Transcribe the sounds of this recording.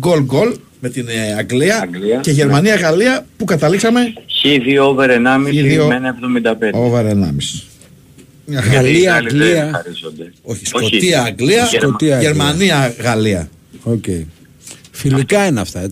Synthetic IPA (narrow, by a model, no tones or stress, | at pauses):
ɡo̞lɡo̞l | me̞t̪inɐŋɡliɐɡliɐce̞ʝe̞ɾmɐniɐɣɐliɐpukɐt̪ɐliksɐme̞çiðioveɾenɐmiiðiomenɐevðomind̪ɐpeoveɾenɐ̰mis | mɲɐɣliɐɡliɐɐɾizond̪eo̞çisko̞t̪iɐːŋɡliɐskot̪iɐeɾmɐniɐɣɐliɐ̰ | ocei | filikɐinɐft̪ɐ